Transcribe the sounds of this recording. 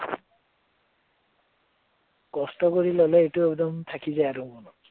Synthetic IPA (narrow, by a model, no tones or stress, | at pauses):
kɔstɔkoɹilɔlɛetuɛkd̪ɔmt̪ʰakizajaɾũkɔnɔ